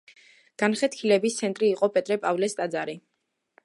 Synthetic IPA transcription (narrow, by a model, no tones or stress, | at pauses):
ɡ̥anχɛt̪̚ʰkʰilɛbist̪sʰɛnt̪ʼɾiːqʼɔpʼɛt̪ʼɾɛpʼavlɛst̪ʼad̪zaɾi